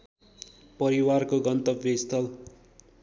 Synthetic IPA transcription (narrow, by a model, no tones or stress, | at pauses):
pʌɾiwarkoɡʌnt̪ʌbest̪ʌl